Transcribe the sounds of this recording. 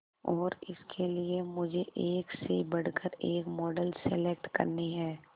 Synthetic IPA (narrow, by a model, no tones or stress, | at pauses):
ɔːɾɪ̰skʰeliemʊd͡ʒʱeʔeːksebɐɽ̤kəɾeːkmɔːɖəlselek̚ʈkɐ̰ɾneɦɛː